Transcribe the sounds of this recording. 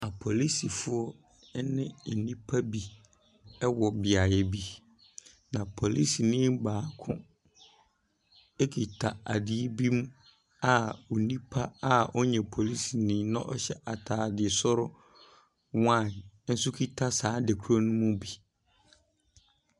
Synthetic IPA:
a˨pʰo˨li˦si˨fʊ˦ɔ˦ | nɪ̃˦˨nĩ˦pʰa˦bi˨ | ɛ˦wɔ˨bɪ˨a˨jɛ˨bi˨ | nã˨pʰo˨li˦si˨nɪ̃ː˦m˦baː˨˦kʰʊ̰̃˦ | ɛ˦kʰi˨tʰa˨a˨dɪ˨e˦bi˦m˦ | a˨u˨nĩ˦pʰa˦a˦ɔ˦ɲɛ̃˨pʰo˨li˦si˨nɪ̃˦nʊ̃˦ʔɔ˦ɕɛ˦ʔa˨tʰaː˨dɪ˨e˨sʊ˦ɾʊ˦ | wã˦˨nn̩˦sʊ˦kʰi˦tʰa˦sãː˨˦de˨kʰu˦ɾo˦nʊ̃˦mũ˦bi˨

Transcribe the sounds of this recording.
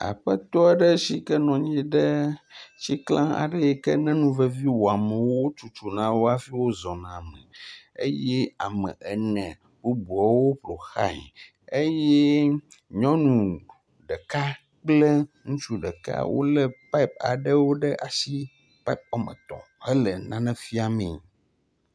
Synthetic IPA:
a̰˨ɸə˦t̪ɔ˦ɖə˦ʃi˦kɛ˦nɔ̃˨ɲĩ˦ɖə˦ʃi˦klã˦a̰˨ɖɛ˦jɛ˦kɛ˦nɛ̃˦nũ˦vɛ˦vi˦wo˨a˨mɛ̃˨wwo˦t͡ʃu˨t͡ʃu˨nã˦wo˦a˦fi˦wo˦zɔ̃˨nã˨mə̰̃˨ | ḛ˦jɛ˦a̰˨mɛ̰̃˨ʔɛ˨nɛ̰̃˨ | bu˦bu˨a˨wo˦plo˨xa̰˦ɲ̰˨ | e˦jɛ˦ɲɔ̃˦nũ˨ | ɖɛ˨ka˦ | k͡plɛ˦ŋũ˦t͡ʃu˦ɖɛ˨ka̰˦wʔo̰˦lɛ˦pa˦i˦p̚a̰˨ɖɛ˦wo˦ɖɛ˦ʔa˨si˦ | pa˦i˦p̚ɔ˨mɛ̰̃˨t̪ɔ̰̃˨ | hɛ˦lɛ˨nã˦nɛ̃˦fi˦a˨mḭ̃˨

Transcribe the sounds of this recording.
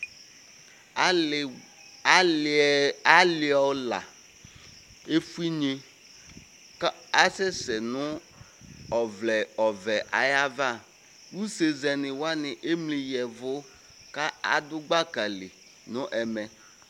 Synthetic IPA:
a˦lɪ˨ɔ˨la̰˨ | e˦fu˦i˦ɲe˦ | a˦sɛ˦sɛ˨nʊ˦ | ɔ˨vlɛ˨ɔ˨vɛ˨ʔa˨ja˦va˦˨ | wu˦se˨zɛ˨nɪ˨wa˦nɪ˨ʔe˦mli˨jɛ˨vʊ˦ | ka˦a̰˨dʊ˦ɡ͡ba˦ka˨lɪ˨ | nʊ̃˦ʔɛ˨mɛ˨

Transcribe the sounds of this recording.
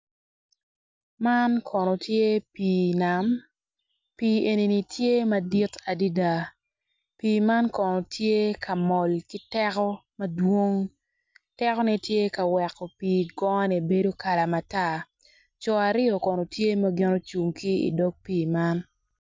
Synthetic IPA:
ma˦nkʰɔ˨no˨tje˦piː˨na˨m | piː˨e˨ni˨ni˨tʰje˦mɐ˦di˦ta˨di˦da˨ | piː˨ma˦nkɔ˨nɔ˨tʰje˦kʰa˨mɔ˨lki˦tɛ˦kɔ˦mɐ˦dwo˦ŋ | tɛ˦kɔ˦nɛ˨tje˦ka˨wɛ˨kːɔ˨piː˨ɡɔ˦ŋɔ˦nɛ˨be˦do˦ka˨la˨ma˨ta˦ | t͡ʃɔ˨a˨ɾɪ˦ɔ˨kɔ˨no˨tje˦mɐ˦ɡɪ˦no˦t͡ʃu˨ŋki˦ḭ˨dɔ˦k̚piː˨ma˦n

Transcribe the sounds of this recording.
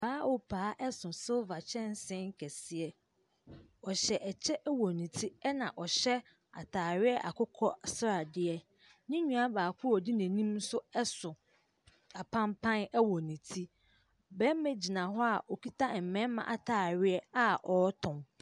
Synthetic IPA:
baː˨˦ɔ˨pʰaː˨˦ʔɛ˦sʊ̃˨so˦va˨t͡ɕʰɛ̃˦n˦sɪ̃˦ŋ˦kʰɛ˨sɪ˨ɛ˦ | ɔ˨ɕɛ˨ʔɛ˨t͡ɕʰɛ˦ʔwɔ˨nĩ˨tʰi˦ɛ˦nã˨ʔɔ˨ɕɛ˦ | a̰˨tʰaː˨ɾɪ˦ɛ˦ʔa̰˨kʊ˦kʰɔ˦sɾa˨dɪ˦ɛ˦ | nɪ̃˦ɲũ˨a˦baː˨kʰʊ˦ɔ˨di˦næ̃˨nĩ˦msʊ˦ɛ˦sʊ̃˨ | a˨pʰã˦mpʰã˦nɛ˦wɔ˨nĩ˨tʰi˦ | bɛ˦mɛ̃˦d͡ʑi˨nã˨ɦɔ˦a˨ʔɔ˨kʰi˦tʰa˦˨m̩˨mɛ̃˦mã̰˨ʔa˨tʰaː˨ɾɪ˦ɛ˦a˦ʔɔ˨˦tʰʊ̃˨m

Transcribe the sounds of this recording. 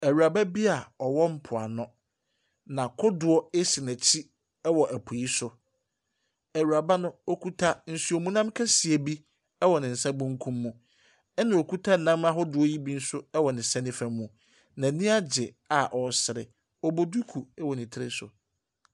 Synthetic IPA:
æ˨ɥu˨ɾa˨ba˦bi˦a˨ɔ˨wɔ˦m̩˦pʰʊ˨a˨nʊ̃˦ | nã˨kʰʊ˦dʊ˨ɔ˦e˦si˨næ˨t͡ɕʰi˦ | ɛ˦wɔ˨ʔæ˨pʰu˨ji˦sʊ˨ | ɛ˨ɥu˨ɾa˨ba˦nʊ̃˦o˦kʰu˦tʰa˦n̩˨su˦o˨mũ˦nã˦mkʰɛ˦si˨e˨bi˦ | ɛ˦wɔ˨nɪ̃˨n̩˨sa˦bũ˦ŋ̩˦kʰũ˦mːũ˦ | ɛ˦nã˨o˨ku˦tʰa˦˨nã˦ma˦ɦɔ˦dʊ˦ɔ˦ji˦bi˦n̩˦sʊ˦ɛ˦wɔ˨nɪ̃˨sɛ̃˦nɪ̃˦fæ̃˨mːũ˨ | nã˨nĩ˦a˦d͡ʑɪ˨ | a˨ʔɔ˨sɪ˨ɾɪ̰˨ | ɔ˨bo˨du˦kʰu˨ɛ˦wɔ˨nɪ̃˨tʰɪ˦ɾɪ̰˦sʊ̰˨

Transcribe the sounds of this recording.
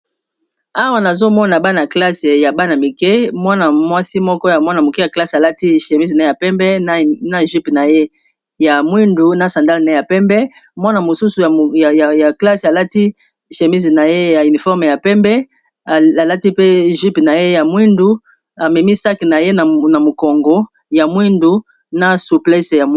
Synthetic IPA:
a˦wa˦na˨zo˦mɔ˦na˨ba˦na˨kla˦se˨ja˨ba˦na˨mi˨kɛ˦mwa˦na˨mwa˦si˦mɔ˦kɔ˦ja˨mwa˦na˨mo˨ke˦ja˨kla˦sa˨la˦ti˦˨ʃe˨mi˦zna˨˦e˦ja˨pɛ˦mbɛ˦n˦na˦˨ʒi˦pna˨je˦ | ja˨mwi˦ndu˨na˨sã˨nda˦lna˨e˦ja˨pɛ˦mbɛ˦mwa˦na˨mo˨su˦su˨ja˨a˨ja˨ja˨kla˦sa˨la˦ti˦˨ | ʃe˨mi˦zna˨je˦ja˨y˨ni˨fɔ˦ʁme˨ja˨pɛ˦mbɛ˦˨ | a˨la˦ti˦pe˦ʒi˦pna˨je˦ja˨mwi˦ndu˨ | a˨mɛ˨mi˦sa˦ki˨na˨je˦n˨na˨mo˨kɔ˨ŋɡo˦ | ja˨mwi˦ndu˨ | na˦su˨plɛ˦sja˨

